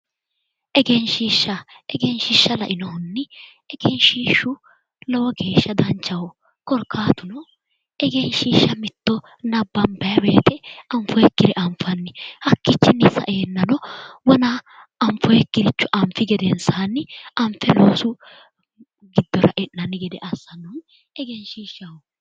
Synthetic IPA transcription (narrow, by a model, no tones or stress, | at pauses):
ʔɛɡɛnʃiːʃːɐɛɡɛnʃiːʃːɐlɐʔɪnɔhʊnːɪ | ɛɡɛnʃiːʃːʊ | lɔwɔɡe̞ːʃːɐd̪ɐnt͡ʃːɐwɔ | kɔɾkːaːt̪ʊnɔ | ɛɡenʃiːʃːɐmɪt̪ːɔ | nɐbːɐnbɐjɐweːt̪ɛɐɱfɔjɛkːɪɾɛʔɐmfɐnːɪhɐkːɪt͡ʃːɛnɪsɐ̰ʔeːnːɐnɔwɔna | ɐɱfɔjɛkːɪɾɪt͡ʃːʊʔɐmfɪɡɛd̪ɛnsaːnːɪɐmfɛloːsʊ | ɡɪd̪ːɔɾɐ̰ʔɛnːɐnːɪɡɪd̪ɛʔɐsːɐnɔn | ɛɡɛnʃiːʃːɐwɔ